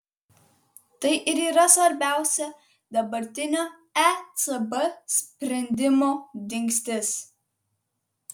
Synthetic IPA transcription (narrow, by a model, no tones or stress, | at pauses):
t̪ɐɪʔɪɾiːɾɐsʋɐɾʲbʲæʊsʲɛ | d̪ɐbɐɾʲt̪ʲɪnʲoː | æt͡sʼɐbɐsʲpʲɾʲɛnʲd̪ʲɪmoːd̪ʲɪŋksʲt̪ʲɪs